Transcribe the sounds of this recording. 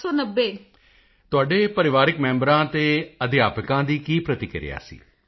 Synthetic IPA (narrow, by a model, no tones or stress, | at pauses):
ɔːnəbːeː | t̪ʊaːɖeːpəɾɪʋaːɾɪkmɛ̃ːmbəɾãːt̪eːəd̪ɪjaːpɪkãːd̪iːkiːpɾət̪ɪkɪɾɪ̰ja̰ːsḭː